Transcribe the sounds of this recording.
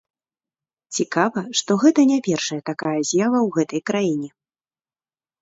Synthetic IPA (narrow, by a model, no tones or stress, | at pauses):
t͡sʲikavɐʂt̪ɔɣɛt̪ɐnʲapʲɛrʂɐjɐt̪akajɐzʲjavɐwɣɛt̪ɐjkɾajinʲɛ